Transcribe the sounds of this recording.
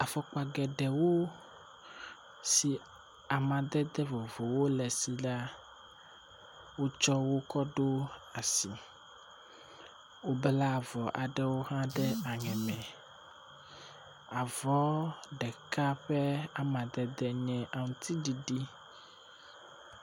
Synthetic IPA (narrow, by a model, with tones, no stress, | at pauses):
a˨fɔ˦k͡pa˨ɡɛ˨ɖɛ˨wo˦ | si˨ | a˨mã˨d̪ɛ˦d̪ɛ˦vo˨vo˨wo˦lɛ˨si˨la˦ | wo˦t͡ʃɔ˦wo˦kɔ˦ɖo˦a˨si˨ | wo˦bla˦˨vɔ˨ʔa˨ɖɛ˦wo˦ɦã˦ɖɛ˦a˨ɲɛ̃˨mɛ̃˨ | a˨vɔ˨˦ɖɛ˨ka˦ɸɛ˦a˨mã˨d̪ɛ˦d̪ɛ˦ɲɛ̃˦ʔa˨ŋũ˨t̪ʰi˦ɖi˨ɖi˦